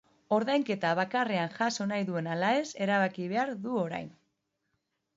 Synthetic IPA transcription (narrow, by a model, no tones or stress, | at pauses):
o̞ɾðajŋke̞t̪aβ̞akare̞anʝaso̞najðue̞nalae̞se̞ɾaβakiβe̞aɾðuo̞ɾa̰jn